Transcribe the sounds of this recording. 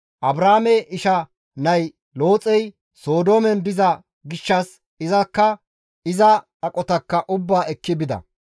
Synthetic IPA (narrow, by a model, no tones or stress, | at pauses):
ʔɐbɾaːmɛʔɪʃɐ | nɐj | lo̞ːt͡sʼɛj | so̞ːd̪o̞ːmɛnbɪzɐ | ɡɪʃːɐs | ɪzɐkːɐ | ɪzɐ | ɐkʼɔt̪ɐkːɐʔʊbːaːɛkːɪbɪd̪ɐ̰